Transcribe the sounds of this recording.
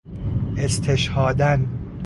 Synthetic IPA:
est̪ʰeʃhɒːd̪æn

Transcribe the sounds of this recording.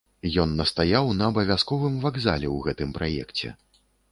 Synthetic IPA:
jɔnːɐst̪ajawnɐːbɐvʲaskɔvɨmvaɡza̰lʲɛwɣɛt̪ɨmpɾʔajɛ̰kt͡sʲɛ̰

